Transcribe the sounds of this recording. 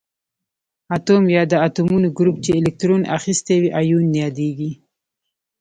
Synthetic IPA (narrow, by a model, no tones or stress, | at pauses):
at̪omjɑd̪əat̪omunoɡɾup̚t͡ʃeɪlɪk̚t̪ɾonʔa̰xist̪awiʔɑjunːjɑd̪eɡi